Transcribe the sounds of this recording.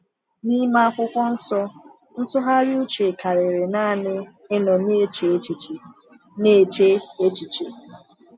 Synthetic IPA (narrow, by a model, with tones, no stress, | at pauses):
ni˦ma˦a˦kʷʊ˦kʷɔ˦n̩˦sɔ˦ | n̩˦tʊ˦ɦa˦ɾu˦t͡ʃe˨ka˨ɾe˨ɾe˨na˦˨nɪ˦ | e˦nɔ˨ne˦t͡ʃe˨˦t͡ʃi˨t͡ʃ | ne˦˨t͡ʃe˦e˦t͡ʃi˨t͡ʃe˨